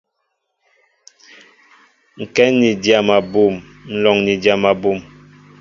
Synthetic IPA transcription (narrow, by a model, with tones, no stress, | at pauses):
ŋ̩˨kɛ˦ni˨dja˨ma˨bu˦˨m | n̩˨lɔ˨ŋni˨dja˨ma˨bu˦˨m